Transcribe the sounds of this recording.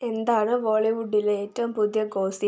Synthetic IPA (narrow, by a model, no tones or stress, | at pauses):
e̞nd̪aːɳɨʋoːɭiʋuɖːileeːtːɐʋumpud̪jɐɡo̞ːsi